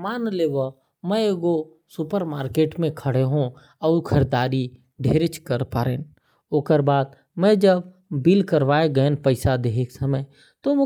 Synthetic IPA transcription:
maːnleːʋo | mɛ̃ɡo | sʊpəɾmaːɾkeːʈmẽkʰəɽeɦũ | ɔːɾkʰəɾd̪aːɾi | ɖʱeːɾet͡ʃkəɾpaːɾḛːn | oːkəɾbaːd̪̚ | mɛ̃d͡ʒəb | bilkəɾʋaːeɡənpəɪsad̪eɦeksəməj | t̪omʊ

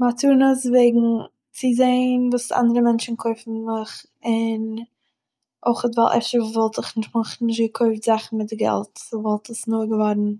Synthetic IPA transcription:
matuːnəsveɪɡŋ̩ | t͡sɪzeɪnvuːsa̰ndəɾəmɛnt͡ʃn̩kʰoɪfn̩mɪχ | ɪn | ʔoɪχətva̰lˠʔɛ̰fʃəvɔlˠtɪχnɪʃtmaχn̩nɪʃ̬tɡəkʰoɪftz̥aχn̩mɪt̚dɪɡɛ̰lˠtsvɔlˠtʰəsnuɡəvɔɾn̩

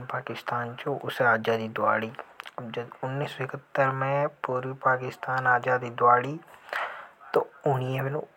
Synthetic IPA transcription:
paːkɪst̪aːnt͡ʃõʔʊsɾaːd͡ʒaːd̪id̪ʊa̰ːɽiːd͡ʒəd̪ʊnːiːsõɪkət̪ːəɾmẽpuːɾʋipaːkɪst̪aːnaːd͡ʒaːd̪iːd̪ʊaːɽiː | t̪oʊniẽʋɪnõ

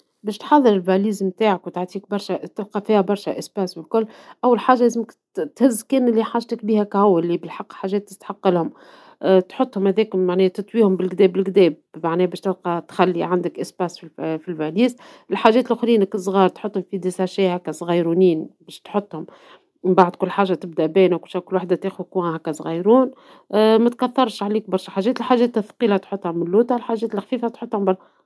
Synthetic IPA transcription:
bɛːʃt̪ħɑðˤːɨɾɪlbæliːzmt̪aːʕakwt̪aʕt̪ˤiːk̚bɑɾˤʃæt̪ɪb̚qɑfiːhæbɑɾˤʃæʔɪsbæːsfɪlkʊlːʔæwːalħaːʒaleːzɪmɪk | t̪hɪzːkɛːnɪlːiħaːʒt̪ɪkbiːhækʕawːɪlːibɪlħɑqːħaːʒɛːt̪ːɪ̥st̪ħɑqːɑlhʊm | t̪ħʊt̪ˤːhʊmhæðɛːkmaʕnɛːt̪ɨt̪ˤwiːhʊmbɪlɡd̪ɛːbɪlɡd̪ɛːb̚maʕnɛːbɛːʃt̪ɪbqɑt̪xælːiʕand̪ɪkʔɪsbæːsffilbæliːs | ɪlħaʒːɛːt̪lʔʊxɾiːnɪksˤɣɑːɾˤt̪ħʊt̪ˤːhʊmfid̪isaʃiːhækːæsˤɣɑjɾuniːnbɛːʃt̪ħot̪ˤːhʊm | baʕd̪kʊlːħaːʒːat̪ɪb̚d̪aʔbɛːnawkʊlʃækʊlːwaħd̪at̪eːxkunhɛkːæsˤɣɑjɾuːn | mæt̪kæθːɑɾˤʃʕaliːk̚bɑɾˤʃɑħaʒɛːt̪lħaʒɛːt̪ːæfqiːlat̪ħʊt̪ˤːhamɪnluːt̪ɑlħaʒɛːt̪ɪlxfiːfæt̪ħot̪ːˤhʊmbɑ

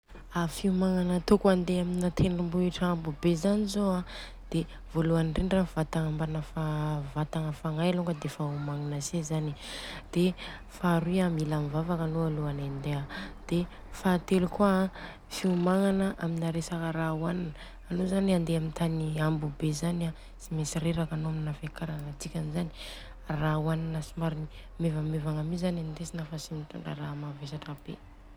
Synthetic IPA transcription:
afiumaŋanət̪okuand̪eaminat̪ʰenumbuiʈ͡ʂambubezanizoa | d̪̥e | voluanɳɖ͡ʐeɳrav̥at̪aŋambanəfavat̪aŋəfaŋajaluŋɡəd̪efaumaŋanasezanid̪̥e | faɾiamilamivavakanoaluanand̪ead̪̥e | faːt̪elukua | fiumaŋanəʔaminaɾesakəɾauananəː | nozaniand̪eamint̪aniambubezana | simesiɾeɾakanoaminafekaɾanat͡sikʲanizani̥ | rauananəsimaɾini | mevamevaŋamizanant̪esinafasimit̪a̰ɳɖ͡ʐa̰ɾamavesaʈ͡ʂab̥ḛ

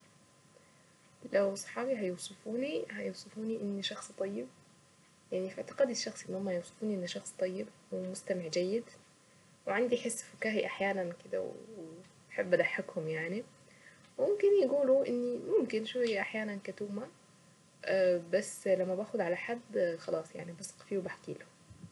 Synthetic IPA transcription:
læwsˤɑ̥ħɑːbiɦæjowsˤɨfuːnihæjowsˤɨfuːniʔɪnːiʃɑxsˤt̪ˤɑjːɪb̚ | jaʕnifiʕt̪ɪ̥qɑːd̪ɪʃːɑxsˤʔenːhʊmːæjowsˤɨ̥fuːniʔɪnːiʃɑxsˤt̪ˤɑjːɪb̚wemʊst̪ameʕd͡ʒæjːɪd̪ | weʕand̪iħesːfʊkæːɦiʔaħjæːnænkɪd̪æ̰w̰ | bħebːʔæd̪aħːakhʊmjaʕni | wmomkɪnjeɡuːluʔɪnːimʊmkɪnʔʃufiʔaħjæːnænkæt̪uːmæ | ʔæbæsːlæmːæbæːxod̪ʕalaħad̪ːxɑlɑːsˤja̰ʕnibɑsˤɑ̥qfiːwebaħkḭːlo

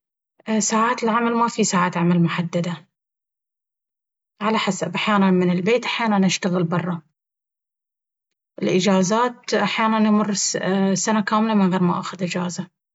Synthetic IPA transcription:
saːʕaːt̪ɪlʕamalmafisaːʕaːt̪ʕamalmʊħad̪ːad̪a | ʕalaħasabʔaħjaːnanmɪnɪlbeːt̪ʔaħjaːnanʔaʃt̪aɣɪlbɑrˤːɑ | ʔɪlʔɪd͡ʒaːzaːt̪ʔaħjaːnanjmʊrːsanakaːmɪlamɪnɣeːɾma̰ʔa̰xʊd̪ʔɪd͡ʒaːza

